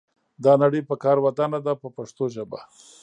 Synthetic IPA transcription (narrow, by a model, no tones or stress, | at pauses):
d̪ɑnaɽəjpəkɑɾwat̪anad̪apəpaʂt̪oʒəba̰